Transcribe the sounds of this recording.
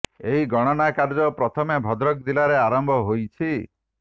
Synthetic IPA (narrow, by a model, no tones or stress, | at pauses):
eɦiɡɔɽ̃ɔnakaɾd͡ʒɔpɾɔt̪ʰɔmebʱɔd̪ɾɔk̚d̪ilaɾeaɾɔmbʱɔɦojt͡ʃʰi